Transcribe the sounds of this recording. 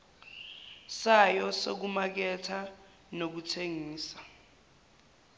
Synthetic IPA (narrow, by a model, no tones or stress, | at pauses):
sajɔso̰k̬umak̬ɛtʰa | nok̬utʰeŋiːsḁ